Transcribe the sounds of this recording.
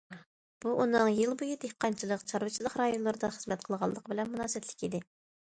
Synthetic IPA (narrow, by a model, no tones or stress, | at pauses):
b̥uʔunɨŋjɨlˠbujid̪ehqːɑnt͡ʃʰilˠəqt͡ʃʰɑɾwɨt͡ʃʰilˠəqɾɑjonlˠɨɾɨd̪ɑχəzmɛt̪̚qʰəlˠʁɑlˠːəqəbɪlɛnmunɑːsɛt̪ʰlɪ̥kʲid̪ɪ